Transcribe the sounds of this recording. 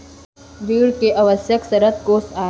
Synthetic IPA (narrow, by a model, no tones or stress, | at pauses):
ʋiːɽkeʔɐʋəsjəksɐɾət̪̚koːsaː